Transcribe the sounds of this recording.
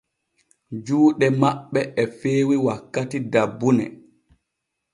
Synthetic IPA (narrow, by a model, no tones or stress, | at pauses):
d͡ʒuːɗɛmaɓːɛʔɛfeːwiwakːatidabːunɛ̰